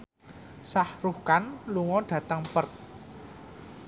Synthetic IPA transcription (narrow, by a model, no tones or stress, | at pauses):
sahruhkanluŋɔɖ̥ä̤t̪əŋpərt̪̚